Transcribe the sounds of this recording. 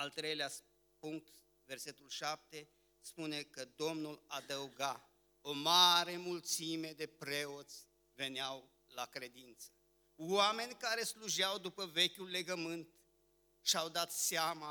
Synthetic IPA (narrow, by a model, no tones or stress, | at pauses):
alt̪ɾejlea | puŋk̚t̪ | ve̞rse̞t̪ulʃap̚t̪e̞ | spune̞kəd̪o̞mnulad̪əuɡa | o̞maɾe̞mult̪sime̞d̪e̞pɾe̞o̞t̪sʲ | ve̞neaw | lakɾe̞d̪int̪sə̥ | ame̞nʲkaɾe̞sluʒawd̪upəve̞kʲulːe̞ɡəmɨnt̪ | ʃawd̪at̪seama